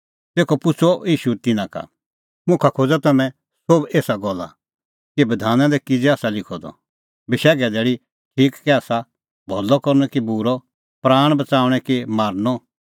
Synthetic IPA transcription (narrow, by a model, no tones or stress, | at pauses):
t̪eːkʰɔpʊt͡sʰɔiːʃut̪ɪnãka̰ | mʊ̃kʰakʰoːd͡zat̪ɐmɛ̃ | sobeːsaɡɔlːa̰ | kibɐd̪ʱaːnãd̪ɛkɪd͡zɛaːsalɪkʰɔd̪ɔ̰ | bɪʃɛːɡɛd̪ɛːɽi | ʈʰiːkːɛaːsa | bʱɔlːɔkɔɾnɛkibuɾɔ | pɾaːɽ̃bɐt͡saːʊɽ̃ɛkimaːɾnɔ